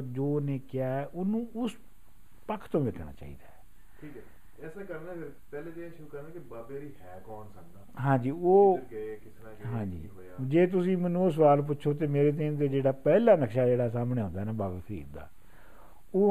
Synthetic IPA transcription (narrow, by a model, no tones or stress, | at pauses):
d͡ʒoːnẽːkɪjaːɛːʔʊnũːʊs | pəkʰt̪õːʋeːkʰɳa̰ːt͡ʃa̰ːḭːd̪aː | ʈʰiːkɛ | ɛːsẽːkəɾnãːəɾ | pɛːlẽːt̪eeʃʊɾuːkəɾnãːkɪbaːbeːɾiːɦɛːkɔːnsəkd̪aːɦãːɲd͡ʒiːoːkɪsnː | ɦãːd͡ʒḭː | d͡ʒeːt̪̬ʊsĩːmənːũːos̬əʋaːlp̬ʊtːʃʰoːt̪̬eːmeːɾeːt̪̬ːt̪eːd͡ʒeːɽaːpɛːlãːnəkʃaːd͡ʒeːɽaːsaːmɳeːɦõːnd̪aːnaːbaːbeːpʰɾḭːd̪d̪a̰ː | oː